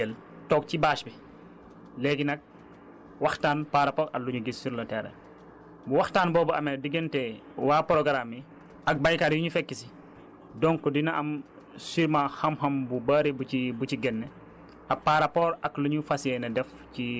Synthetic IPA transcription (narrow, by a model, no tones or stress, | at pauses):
ɛl | tɔk̚cibaːʃbi | lɛɡinɐk̚ | wɐxtaːnpaɾapɔɾɐlːuɲuɡisːiɾlɐtɛɾɛ̰ | buwɐxtaːnbɔːbɐʔɐmɛdiɡɛntɛwaːpɔɾɔɡɐɾamːi | ɐk̚bajkaːɾjuɲufɛkːisi | dɔŋkɔdinɐʔɐm | siɾmaxɐmxɐmbubɐɾibuibuciɡɛnːɛ | ɐpːaɾapɔːɾɐkluɲufɐsɛnɐdɛf | ci